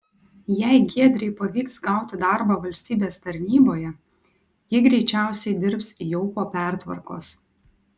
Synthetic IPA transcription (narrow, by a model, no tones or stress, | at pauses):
jɛɪɡʲeɛd̪ʲɾʲɛɪpɐʋʲiːksɡɑˑʊt̪ʲɪd̪ɑˑɾbɑʋɐlʲsʲt̪ʲiːbʲeːst̪ɐɾʲnʲiːboːjɛ | jɪɡɾʲɛɪt͡ʃʲæˑʊsʲɛɪd̪ʲɪɾpsijoʊpoːpʲæˑɾt̪ʋɐ̰ɾko̰ːs